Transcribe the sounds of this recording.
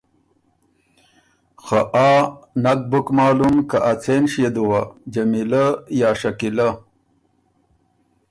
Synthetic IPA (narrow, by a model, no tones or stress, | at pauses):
xaʔaːnɐk̚bukmaːlumkaʔat͡sʰenʂjed̪uwad͡ʑɐmilajaːʂɐkila